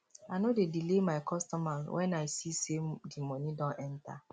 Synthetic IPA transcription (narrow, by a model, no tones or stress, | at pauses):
anodedilemaɪkʰɔstɔmalwʔɛnaɪsisemdimɔnidɔ̃nɛnta̰